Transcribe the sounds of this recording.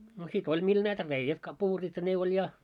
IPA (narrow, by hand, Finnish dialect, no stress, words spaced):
no sit olʲ mil næitæ reijæt kɑpuːrit jɑ ne olʲ jɑ